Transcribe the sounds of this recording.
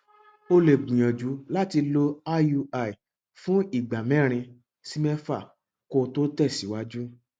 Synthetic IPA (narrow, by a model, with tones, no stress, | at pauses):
o˧le˨ɡ͡bũ˨j̃ɔ̃˨d͡ʒu˨˦la˦ti˧lo˦a˦ju˧a˧˨i˨ | fũ˦i˦˨ɡ͡ba˨mɛ̃˦˨ɾ̃ĩ˧ | si˧mɛ˦fa˦˨ | ko˧to˦tɛ˦˨si˨˦wa˦d͡ʒu˦